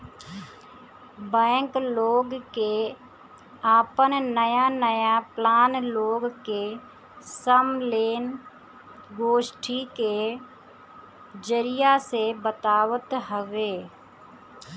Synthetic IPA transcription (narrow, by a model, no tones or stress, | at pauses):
bɛ̃ːŋkloːɡke | aːpənnəjanəjaplaːnloːɡke | səmleːn | ɡoːʃʈʰike | d͡ʒəɾɪjasebət̪aːwət̪ɦəʋeː